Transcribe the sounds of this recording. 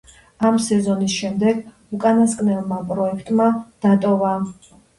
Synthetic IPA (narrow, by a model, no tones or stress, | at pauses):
amsɛzɔnisʃɛmd̪ɛɡ | ukʼanaskʼnɛlˠmapʼɾɔɛkʰt̪ʼmad̪̥at̪ʼɔva